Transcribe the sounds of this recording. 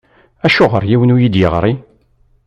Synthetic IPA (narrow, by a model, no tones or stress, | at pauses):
æʃʊʁə̰ɾˤjiwənujid̪jəʁɾˤi